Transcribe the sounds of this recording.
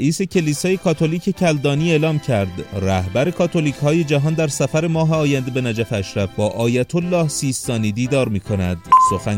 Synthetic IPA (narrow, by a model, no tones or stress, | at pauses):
ʔiːse̞cʰe̞liːsɒːje̞kʰɒːt̪ʰo̞liːcʰe̞cʰæld̪ɒːniːe̞ːlɒːmcʰæɾd̪ræhbæɾe̞kʰɒːt̪ʰo̞liːchɒːje̞d͡ʒæɦɒːnd̪æɾsæfæɾe̞mɒːɦe̞ɒːjænd̪ebe̞næd͡ʒæfeæʃɾæfbɒːʔɒːjæt̪ʰolːɒːhsiːst̪ɒːniːd̪iːd̪ɒːɾmiːkʰo̞næ̰d̪so̞xæ